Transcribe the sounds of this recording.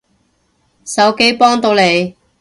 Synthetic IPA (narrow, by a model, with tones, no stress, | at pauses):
sɐ˨˧˥wke˥jpɔː˥ŋt̪o˨˧wle˨˧j